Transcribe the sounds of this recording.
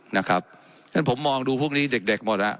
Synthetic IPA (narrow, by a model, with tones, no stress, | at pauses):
na˦˥kʰɾa˦˥p̚ | nʰa˥˩npʰo˩˦mːɔː˧ŋduː˧pʰu˥˩əŋ̚niː˦˥de˨˩k̚de˨˩k̚mo˨˩t̪̚la˦˥ʔ